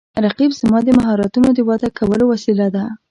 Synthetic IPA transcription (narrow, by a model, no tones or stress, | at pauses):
ɾaqibzmɑd̪əmaɦɑɾɑt̪unod̪əwɑt̪akʰawəlowasilad̪a